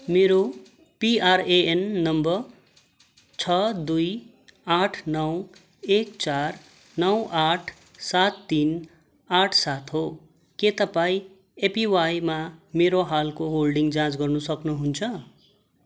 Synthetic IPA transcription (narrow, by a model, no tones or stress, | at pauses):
meɾo | piareenːʌmbʌr | t͡sʰʌd̪uj | aʈʰnʌw | ekt͡sar | nʌwʔaʈʰ | sat̪ːin | aʈʰsat̪ɦo | ket̪ʌpaĩ | epiwajmameɾoɦalkoɦolɖiŋɡd͡zãt͡sɡʌrnusʌknuɦunt͡sʰʌ